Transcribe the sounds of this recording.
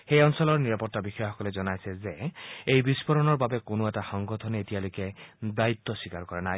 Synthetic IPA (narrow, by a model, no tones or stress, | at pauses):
xejɔnsɔlɔɹniɹapɔtːabixɔjaxɔkɔlezɔnajsɛzeejbispɔɾɔnɔɹbabɛkonoɛtaxɔŋɡɔtʰɔnetijalojkedait̪ːɔsikaɹkɔɹanaj